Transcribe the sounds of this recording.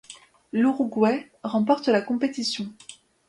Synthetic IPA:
luʁuɡwɛ | ʁɑ̃pɔʁt̪əlakɔ̃pet̪isjɔ̃

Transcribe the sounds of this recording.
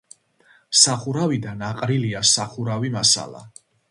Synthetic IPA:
saχuɾavid̪anaqʼɾiliasaχuɾavimasa̰lˠa̰

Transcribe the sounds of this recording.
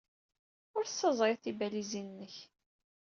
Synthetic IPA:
ʊɾsːəzˤɾeθibælizinnːəç

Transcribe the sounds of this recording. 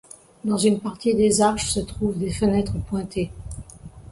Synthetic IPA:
d̪ɑ̃zynpaʁt̪id̪ezaʁʃsət̪χuvd̪efənɛt̪χəpwɛ̃t̪e

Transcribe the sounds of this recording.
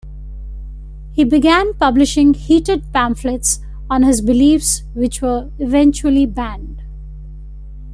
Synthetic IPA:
hiːbɪɡæ̃npʌblɪʃɪ̃ŋhiːʈɨɖ̚pæ̃ɱfleʈs | ɔ̃nhɪzbɪliːfs | ʋɪt͡ʃʋə | ɪʋɛ̃nt͡ʃuəlibæ̃nɖ

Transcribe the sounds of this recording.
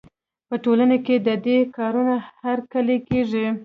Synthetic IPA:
pəʈolanaked̪əd̪ekɑɾunahaɾkəlekeʐi

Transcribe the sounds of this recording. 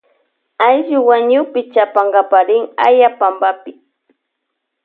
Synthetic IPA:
ajʒʊwaɲʊpɪt͡ʃapaɴɢɑpaɾɪŋa̰japambapɪ

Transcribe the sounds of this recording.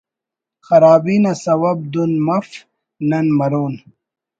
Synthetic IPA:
xɐɾaːbiːnɐsɐwɐb̚d̪unmɐf | nɐnmɐɾoːn

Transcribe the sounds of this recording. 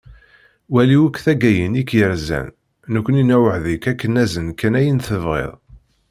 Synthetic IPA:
wæliwəkːθæɡæjənikjəɾzæ̰nː | əkʷːninæwəʕðikækːənæzənkːænæjənθəvʁḛðˤ

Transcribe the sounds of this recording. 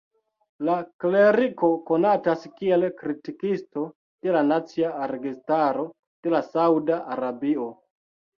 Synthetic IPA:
lakle̞ɾiko̞ko̞nataskie̞lkɾitikisto̞ | d̥e̞lanat͡siaɾeɡistaɾo̞ | d̥e̞lasawdaʔaɾabio

